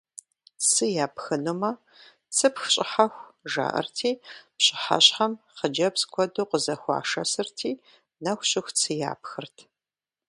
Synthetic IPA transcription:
sɨjaːpxɨnumɐ | t͡sʰɨpxɕʼɪħaxʷʒa̰ʔɐ̰rtʰiːpɕʼɪ̥ħa̰ɕħɐmqəd͡ʒɐpskʷʰɔdoːqəzɐxʷɑ̰ːʂɐsɨrtʰiː | nɐxʷɕʼɪxʷt͡sʰɨja̰ːpxɨrtʰ

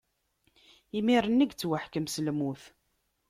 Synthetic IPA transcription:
imiɾˤənːəɡt͡sːwəħkəmsəlmuθ

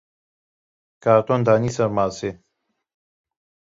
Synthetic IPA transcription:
kaɾt̪ond̪anisəɾmase

